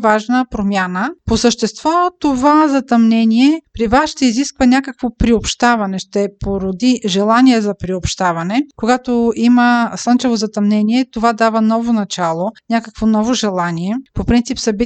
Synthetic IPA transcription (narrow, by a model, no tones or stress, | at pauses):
vaʒnəpɾomʲjanəposəʃt̪ɛst̪vɔt̪ovazɐt̪ɐmnɛniɛpɾivasʃt̪ɛiziskvənʲakəkvopɾiopʃt̪avɐnɛʃt̪ɛpoɾod̪iʒɛlˠaniɛzɐpɾiopʃt̪avɐnɛkoɡat̪oiməsənt͡ʃɛvozɐt̪ɐmnɛniɛt̪ovad̪avənɔvonɐt͡ʃalˠonʲakəkvonɔvoʒɛlˠaniɛpopɾint̪sipsɐbi